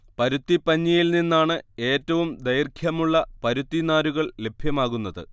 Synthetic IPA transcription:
pɐɾut̪ːipːɐɲːijilninːaːɳɨe̞ːtːɐʋumd̪ɐjrkʰjɐmuɭːɐpɐɾut̪ːinaːɾuɣɐɭle̞bʱjɐmaːɣunːɐðɨ̰

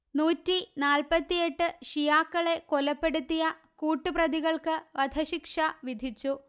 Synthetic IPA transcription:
nuːtːinaːlpɐt̪ːijeʈːɨʂijaːkːɐɭe̞kolɐpːe̞ɽut̪ːijɐ | kuːʈːuprɐd̪iɣɐɭkɨʋɐd̪ʱɐɕikʂɐʋid̪ʱit͡ɕːu

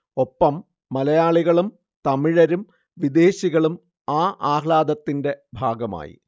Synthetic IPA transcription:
o̞pːɐmː | ɐlɐjaːɭiɣɐɭum | t̪ɐmiɻɐɾum | ʋid̪e̞ːɕiɣɐɭum | aːʔaːɦlaːd̪ɐt̪ːinde̞bʱaːɡɐma̰ːjḭ

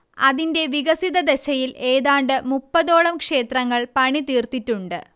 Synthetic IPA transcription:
ɐðinde̞ʋiɣɐsiðɐd̪eɕɐjilʔe̞ːðaːɳɖɨmupːɐðo̞ːɭɐmkʂe̞ːt̪rɐŋːɐɭpɐɳit̪iːrt̪itːuɳɖɨ

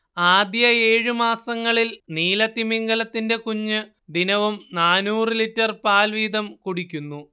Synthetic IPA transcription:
aːd̪jɐe̞ːɻumaːsɐŋːɐɭilniːlɐt̪imiŋɡɐlɐt̪ːinde̞kuɲːɨ | d̪inɐʋumnaːnuːrɨlitːɐrpaːlʋiːd̪ɐmkuɽikʲːunːu

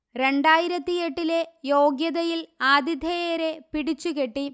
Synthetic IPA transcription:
ɾe̞ɳɖaːjiɾɐt̪ːieʈːile̞jo̞ːɡjɐðɐjilaːd̪id̪ʱɐjeːɾe̞piɽit͡ɕːukeʈːi

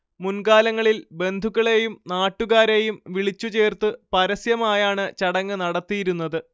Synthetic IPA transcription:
munkaːlɐŋːɐɭilbe̞nd̪ʱuɣːɐɭe̞ːjumnaːʈːuɣaːɾe̞ːjumʋiɭit͡ɕːut͡ɕe̞ːrt̪ɨpɐɾɐsjɐmaːjaːɳɨt͡ɕɐɽɐŋːɨnɐɽɐt̪ːijiɾunːɐðɨ

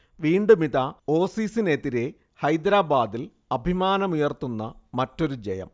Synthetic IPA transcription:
ʋiːɳɖumid̪ɐo̞ːsiːsinet̪iɾe̞ | hɐjd̪ɾaːbaːd̪il | ɐbʱimaːnɐmujɐrt̪unːɐmɐtːo̞ɾud͡ʑɐjɐ̰m

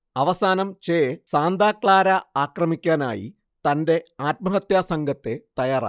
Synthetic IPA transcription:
ɐʋɐsaːnɐmt͡ɕeːsaːnd̪aːkɭaːɾaaːkrɐmikʲːaːna̰ːjḭ | t̪ɐnde̞aːt̪̚mɐɦɐt̪jaːsɐŋɡʱɐt̪ːe̞t̪ɐjaːra̰ː

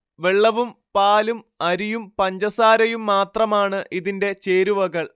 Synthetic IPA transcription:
ʋeɭːɐʋumpaːlum | ɐɾijumpɐɲd͡ʑɐsaːɾɐjumːaːt̪rɐmaːɳɨʔiðinde̞t͡ɕe̞ːɾuʋɐɣɐɭ

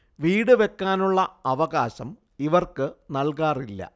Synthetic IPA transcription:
ʋiːɽɨʋe̞kːaːnuɭːɐɐʋɐɣaːɕɐm | iʋɐrkɨnɐlkaːrilːɐ̰

